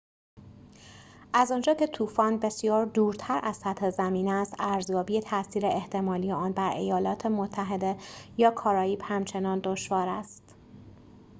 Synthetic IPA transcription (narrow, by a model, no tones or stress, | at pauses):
ʔæzɒnd͡ʒɒːcʰe̞t̪ʰuːfɒːnbe̞sijɒːɾd̪uːɾt̪ʰæɾʔæz̥sæt̪he̞zæmiːnæst̪æɾzjɒːbijet̪ʰæsiːɾe̞eht̪ʰe̞mɒːlijeɒːnbæɾʔe̞̰jɒːlɒːt̪ʰe̞mot̪ʰːæɦe̞d̪e̞jɒːkʰɒːɾɒːiːbhæmt͡ʃʰe̞nɒːnd̪o̞ʃvɒːɾæst̪